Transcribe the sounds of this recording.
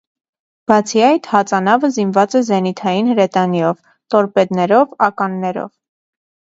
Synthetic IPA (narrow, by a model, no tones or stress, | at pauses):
b̥ɑt͡sʰiɑjt̪hɑt͡sɑnɑvəzinvɑt͡sɛzɛnit̪ʰɑjinhəɾɛt̪ɑnjɔv | t̪ɔɾpɛd̪nɛɾɔvɑkɑnːɛɾɔ̰v